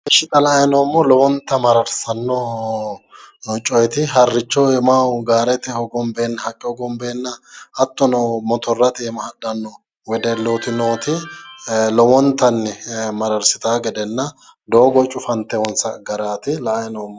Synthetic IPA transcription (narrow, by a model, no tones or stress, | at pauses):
ɛʃːɪt̪ɐlɐɐjnoːmːɔlɔwɔnt̪ːɐmɐɾɐɾsɐnːɔ | nɔt͡ʃʼɔjɛt̪ɪɦɐrːɪt͡ʃːɔwɛmaːwɡaːɾɛt̪ɛhɔɡɔmbeːnːɐhɐkʼːɪɔɡɔmbeːnːɐʔɐt̪ːɔnɔmɔt̪ɔrːɐt̪ɪɛmɐhɐdɐnːɔ | wɛd̪ɛloːt̪ɪnoːt̪ɪ | lɔwɔnt̪ːɐnːɛmɐɾɐɾsɪt̪aːɡɛd̪ɛnːɐ | d̪oːɡɔt͡ʃʼʊfɐnt̪ːɛwɔnsɐɡɐɾaːt̪ɪlɐʔjnoːmːɔ